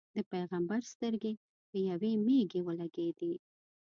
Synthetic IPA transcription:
d̪̥əpajɣambaɾst̪əɾɡe | d̪̥əjawemeɡewəlaɡed̪i

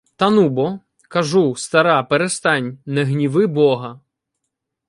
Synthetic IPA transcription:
t̪ɐnubɔ | kɐʒust̪ɐɾɑpeɾest̪ɑnʲnɛɦnʲiʋɪbɔɦɐ

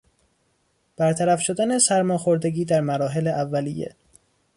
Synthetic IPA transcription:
b̥æɾt̪ʰæɾæfʃo̞d̪ænesæɾmɒːxo̞ɾd̪e̞ɡʲiːd̪æɾmæɾɒːɦe̞leʔævːælijḛ

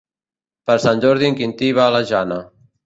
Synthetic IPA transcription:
pəɾsanʲʒoɾðiŋkint̪iβaːlaʒana

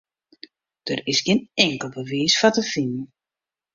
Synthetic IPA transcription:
d̥ərɪsɡɪnɛŋkəlˠbəʋiːsfatəfɪnən

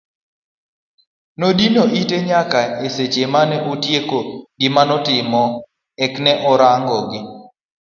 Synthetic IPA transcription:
nodinoʔiteɲakaeset͡ʃemanɛutjekoɡɪmanɔtɪmɔ | ɛknɛʔɔɾaŋɡɔɡɪ

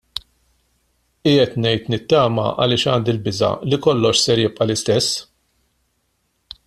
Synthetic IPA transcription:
ɪːɛt̪nɛjt̪nɪt̪ːɐːmɐ̰ʔɐ̰lɪːʃɐːnd̪ɪlbɪzɐ̰likɔlːɔʃsɛɾjɪpʼʔɐlɪst̪ɛsː

